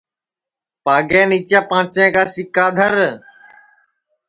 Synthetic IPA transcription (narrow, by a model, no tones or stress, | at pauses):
paːɡɛːniːt͡ʃjaːpãːt͡ʃẽːkaːsɪkaːd̪ʱəɾ